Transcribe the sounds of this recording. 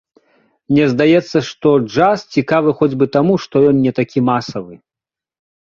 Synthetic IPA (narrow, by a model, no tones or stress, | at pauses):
mnʲɛzd̪ajɛt̪sːɐʂt̪ɔd͡ʐast͡sʲikavɨxɔd͡zʲbɨt̪amuʂt̪ɔjɔnnʲɛt̪akʲimasɐvɨ